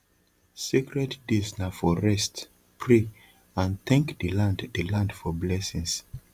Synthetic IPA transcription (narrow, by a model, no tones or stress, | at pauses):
sekɹɛddisnafɔɹɛst | pʰɹe | ãnθɛ̃ŋkdəlãnddəlãndfɔblɛsĩŋs